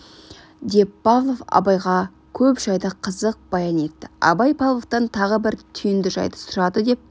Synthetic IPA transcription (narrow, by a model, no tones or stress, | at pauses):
d̪e̞ppɑvlˠo̞fɑ̰bɑjʁɑ | kʲʰɵpʒɑjd̪ɑqʰəzəq̚b̥ɑjɑne̞t̪ːɪ̥ɑ̰bɑjpʰɑllˠoft̪ɑnt̪ʰɑʁəbɪɾt̪ʰʏjɪnd̪ɪʒɑ̰jd̪ə̥sʊɾɑd̪əd̪e̞p̚